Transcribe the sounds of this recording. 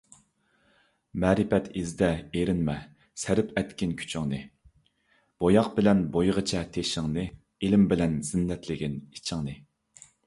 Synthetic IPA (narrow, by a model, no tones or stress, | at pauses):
mɛːɾɪpɛt̪ʰizd̪ɛeɾɪnmɛ | sæɾɪpʰɛt̪kʲɪnkʲʰy̥t͡ʃʰɪŋnɨ | b̥ojɑq̚bɪlɛnbojʁət͡ʃʰɛt̪ʰeʃɪŋnɨ | ilɪmbɪlɛnz̥ɪnːɛt̪lɪɡʲinit͡ʃʰɪŋnɨ